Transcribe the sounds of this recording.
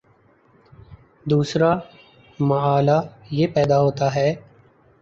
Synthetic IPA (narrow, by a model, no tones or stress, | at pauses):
d̪uːsɾa | mɐaːlajeːpɛːd̪aɦoːt̪aɦɛː